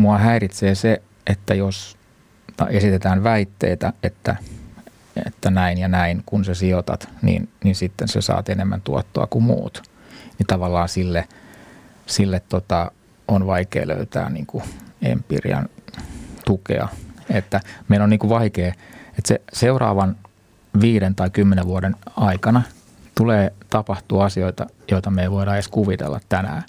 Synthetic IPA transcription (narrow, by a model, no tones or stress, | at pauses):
muɑhæirit̪seːse | ʔet̪ːæjos | t̪ɑ̰esit̪et̪æːnʋæit̪ːḛit̪æet̪ːæ̰ | ḛt̪ːænæinjɑnæiŋkunsesiot̪ɑ̰t̪nḭːnninsit̪ːensesɑ̰ːt̪enemːæ̰nt̪uɑt̪ːoɑkumṵːt̪ | nit̪ɑʋɑlːɑːnsilːe | silːet̪t̪ot̪ɑ | onʋɑikḛːlø̰yt̪æ̰ːnnḭːŋkuḛmpḭrḭɑ̰n | t̪ukḛɑ̰et̪ːæmeiloniːŋkuʋʋɑikeːet̪seseurɑ̰ːʋɑn | ʋiːɾent̪ɑikymːeneʋʋuoɾenɑikɑnɑ | t̪uleːt̪ɑpɑht̪uɑsioit̪ɑ | joit̪ɑmeiʋoiɾɑeskuʋit̪ḛlːɑ̰t̪t̪ænæ̰ː